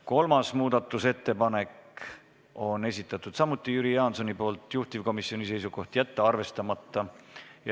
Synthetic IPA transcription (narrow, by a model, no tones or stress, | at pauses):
ko̞lmɑsmuːd̪̥ɑt̪ːˑuse̞t̪ːe̞pɑne̞k | o̞ne̞s̬ʲit̪ːˑɑt̪ːˑud̪̥sɑmut̪ːˑijyɾijɑːnso̞nipo̞ːlt̪ˑjuht̪ivko̞misːio̞nise̞jsuko̞ht̪jæt̪ːeɑrve̞st̪ɑmɑt̪ːˑɑj